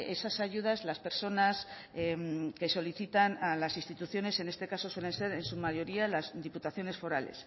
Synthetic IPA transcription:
esasaʝuð̞azlaspe̞ɾso̞nas | mke̞so̞liθit̪analasinst̪it̪uθjo̞ne̞se̞ne̞st̪e̞kaso̞swe̞le̞nse̞ɾe̞nsumaʝo̞ɾialazd̪iput̪aθjo̞ne̞sfo̞ɾale̞̰s

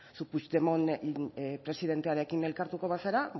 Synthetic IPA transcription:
suput͡ʃd̪emo̞n | pɾe̞siðe̞nt̪eaɾe̞kine̞lkaɾt̪uko̞βaseɾa

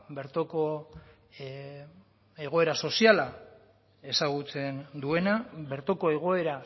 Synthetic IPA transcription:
be̞ɾt̪oko | e̞ɣ̞o̞e̞ɾaso̞siala | e̞saɣ̞ut͡se̞nd̪ue̞nabe̞ɾt̪o̞ko̞e̞ɣ̞o̞e̞ɾa

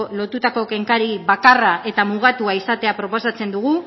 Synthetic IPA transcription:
lo̞t̪ut̪ako̞ke̞ŋkaɾiβakarae̞t̪amuɣ̞at̪uaisat̪eapɾo̞po̞sat͡se̞nd̪uɣ̞u

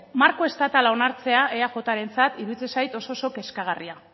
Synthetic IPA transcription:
maɾko̞e̞st̪at̪alao̞naɾt͡se̞ae̞aʝo̞t̪aɾe̞nt͡sat̪iɾuit͡sesajt̪o̞soso̞ke̞skaɣ̞aria

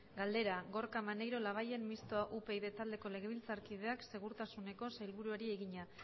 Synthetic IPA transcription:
ɡald̪e̞ɾaɣo̞ɾkamane̞jɾo̞laβ̞aje̞mmist̪oaʔupe̞iðe̞t̪ald̪e̞ko̞le̞ɣe̞β̞ilt͡saɾkið̞e̞akse̞ɣ̞uɾt̪asune̞ko̞sajlβuɾueɾie̞ɣiɲa

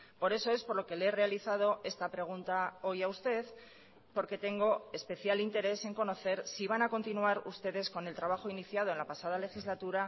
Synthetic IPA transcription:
po̞ɾe̞so̞e̞spo̞ɾlo̞ke̞leere̞aliθað̞o̞ʔe̞st̪apɾe̞ɣ̞unt̪ao̞jaust̪e̞ð | po̞ɾke̞t̪e̞ŋɡo̞e̞spe̞θjalint̪e̞ɾe̞se̞ŋko̞no̞θe̞ɾsiβ̞anako̞nt̪inuaɾṵst̪e̞ðe̞sko̞ne̞lt̪ɾaβ̞axo̞iniθjað̞o̞e̞nlapasað̞ale̞xizlat̪uɾa

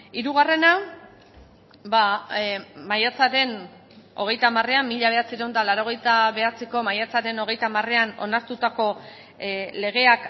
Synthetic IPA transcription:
iɾuɣ̞are̞na | ba | majat͡saɾe̞n | o̞ɣ̞e̞jt̪amare̞amːiʎaβ̞e̞at͡siɾend̪alaɾo̞ɣ̞e̞jt̪aβe̞at͡siko̞majat͡saɾe̞no̞ɣ̞e̞jt̪amare̞ano̞̰naɾt̪ut̪ako̞ | le̞ɣ̞e̞ak

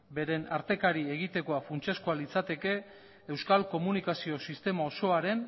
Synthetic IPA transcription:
be̞ɾe̞naɾt̪e̞kaɾie̞ɣ̞it̪e̞ko̞afunt͡ʃaskoalit͡sat̪e̞ke̞ː | ewskalko̞munikasio̞sist̪e̞mao̞so̞aɾe̞n

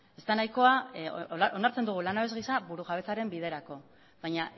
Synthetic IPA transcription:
e̞st̪anajko̞a | o̞naɾt͡send̪uɣ̞ulanaβe̞zɣisaβuɾuʝaβ̞e̞t͡saɾe̞mbið̞e̞ɾako̞ | βajɲa

